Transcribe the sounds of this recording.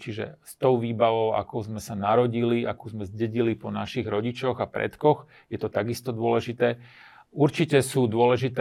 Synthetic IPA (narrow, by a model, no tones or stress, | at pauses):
t͡ʃiʒɛ̰st̪ɔʊʋiːbaʋɔʊa̰kɔʊzmɛsanaɾɔɟiliʔakuːzmɛzɟɛɟilipɔnaʃiɣɾɔɟit͡ʃɔɣapɾɛ̰t̪kɔx | jɛt̪ɔt̪aɡist̪ɔd̪ʊɔlɛʒit̪ɛː | uɾt͡ʃicɛsuːd̪ʊɔlɛʒit̪